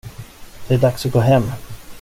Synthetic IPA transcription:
d̪̥ɛæɖaksɔɡoːɦɛmː

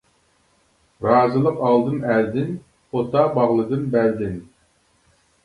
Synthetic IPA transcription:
ɾɑːzɨlˠəqɑlˠd̪ɨmɛld̪ɪn | ot̪ɑbɑʁlˠɨd̪ɨnbɛld̪ɪn

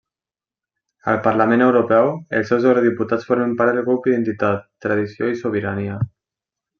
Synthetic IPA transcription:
ə̰lpəɾlamẽnewɾopɛwelˠsɛwzewɾoðiput̪at͡sfoɾmempaɾðelɣɾupiðent̪it̪at̪ːɾað̞isioisoβ̞iɾania

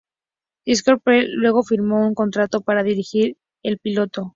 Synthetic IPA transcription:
iskoɾpelwe̞ɣ̞o̞fiɾmo̞uŋko̞nt̪ɾat̪o̞paɾaðiɾixiɾ | e̞lpilo̞t̪o̞

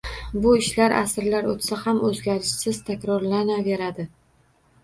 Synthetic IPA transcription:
bʊɪʃlaɾʔa̰sɪɾlaɾot̪sahamɵzɡʲaɾɪʃsɪz̥t̪ʰakʲɾɒɾlanave̞ɾad̪ɪ

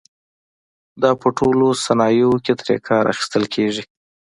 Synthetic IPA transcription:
d̪ɑpəʈʰolosanɑjoket̪ɾḛkʰɑɾa̰xi̥st̪əlkʰeʐi

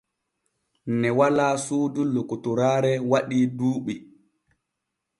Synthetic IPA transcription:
nɛwalaːsuːdulːukutuɾaːɾɛwaɗiːduːɓi

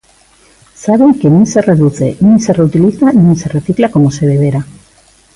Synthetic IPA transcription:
saβeŋkenĩse̞reðuθe̞nĩsereut̪iliθanĩse̞re̞θiklako̞mose̞βeβ̞eɾa

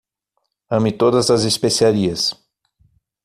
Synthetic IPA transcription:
ɐ̃mɪt̪od̪ɐzɐzespesiaɾiɐs

